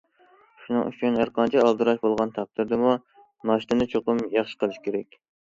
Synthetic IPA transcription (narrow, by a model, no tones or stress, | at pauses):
ʃunɨŋy̰t͡ʃʰynæɾqɑnt͡ʃʰɛɑlˠd̪ɨɾɑʃbolˠʁɑnt̪ʰɑq̚t̪ɨɾd̪ɨmu | nɑʃt̪ɨnɨt͡ʃʰoqʊmjɑχʃə̥qʰəlˠɨʃkʲʰeɾɛkʲ